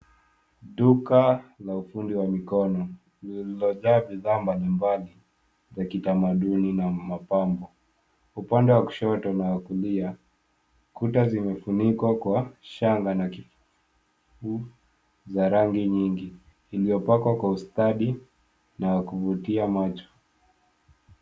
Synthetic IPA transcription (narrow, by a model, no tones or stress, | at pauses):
ɗukalaufundiwamikɔnɔ | lilɔʄaːɓiðaːmbalimbali | zakitamaɗuninamapambɔ | upandɛwaku̥ʃɔtɔnawakulia | kutazimɛfunikwakwaʃaŋɡanakifu | fu | zaɾaŋɡiɲiŋɡiː | lijɔpakwakwaustaɗi | nawakuvutiamat͡ʃɔ̥